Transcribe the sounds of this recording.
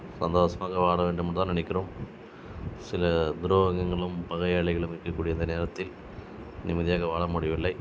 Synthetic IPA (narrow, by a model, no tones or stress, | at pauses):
sɐnd̪oːsɐmaːɣɐʋaːɭɐʋeːɳɖɯmɐɳt̪aːnɪnɛɪkʲːɪroːm | sɪlɐd̪ʊɾoːɐɣɐŋɡɐɭɯmpɐɣɐjɐɭɪɣɐɭɯmɪɾɯkːɐkːuːɽɪjɐnd̪ɐneːɾɐt̪ːɪl | nɪmɐðɪjaːɣɐʋaːɭɐmʊɽɪjɐʋɪlːɐɪ